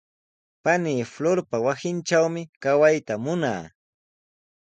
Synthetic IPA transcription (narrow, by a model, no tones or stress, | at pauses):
paniːfloɾpawasɪnʈ͡ʂawmɪkawajt̪amʊna̰ː